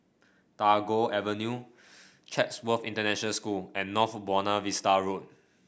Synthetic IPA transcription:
taɡoʔɛvənju | t͡ʃʰɛtswəfḭ̃ntənɛʃənəlskulɛ̃nːɔfbɔnavistaɹot̚

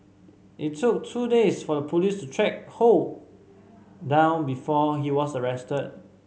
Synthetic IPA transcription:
ʔittʰːuk̚tʰudesfɔdəpʰulistutʰɹɛk̚hol | dãʊ̃nbifɔɦiwɔsəɹɛstəd̚

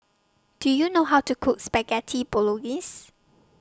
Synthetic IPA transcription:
d̥ujunoɦawtukʰuk̚spɛɡɛtʰiboloɡis

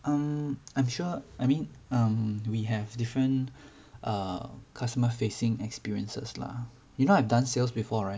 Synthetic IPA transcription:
ʔʌ̃mãj̃mʃuʔajmĩnʌ̃mwiɦɛvdifɹə̃n | ʔʌ̰kʰastəməfesɪ̃ŋɛkspiɹiə̃nsə̰sla̰ | junoaɛvdãnselsbifɔɹaɪt̚

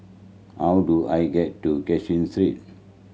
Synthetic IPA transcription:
hawduajɡɛtːukɛt͡ʃĩnsɹit̚

